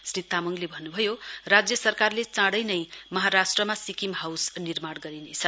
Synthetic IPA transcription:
srit̪ːamʌŋlebʱʌnːubʱʌjorad͡zjʌsʌrkarlet͡sãɽʌjnʌjmʌɦaɾasʈrʌmasikimɦawsnirmaɽɡʌɾinet͡sʰʌ

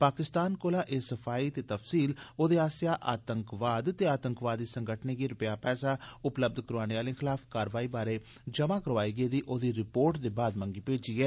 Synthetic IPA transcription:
paːkɪst̪aːnkoːlaːʔeːsəpʰaːiːt̪eːt̪əfsiːloːd̪eːaːsjaːʔaːt̪əŋkʋaːd̪t̪eːaːt̪əŋkʋaːd̪iːsəŋɡəʈʰneːkiːɾʊpjaːpɛːsaːʊpləb̚d̪kəɾaːneːʋaːlĩːxʰɪlaːfʰkaːɾʋaːiːbaːɾeː | d͡ʒəmaːkəɾʋaːiːɡeːd̪iːʔoːd̪iːɾɪpoːɾʈd̪eːbaːd̪məŋɡiːpeːd͡ʒiːɛː

